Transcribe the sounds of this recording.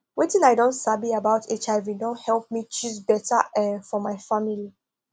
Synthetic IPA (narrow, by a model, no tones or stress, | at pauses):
wetĩnaɪdõntsabiabaʊtʰet͡ʃaɪvidõnthɛlˠp̚mit͡ʃuzbɛtəɛ̃fɔmaɪfamili